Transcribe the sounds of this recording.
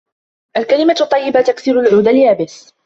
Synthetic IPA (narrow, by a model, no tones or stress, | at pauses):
ʔalkalɪmat̪ˤːɑjːɪbat̪akθiːɾʊlʕuːd̪aljaːbɪs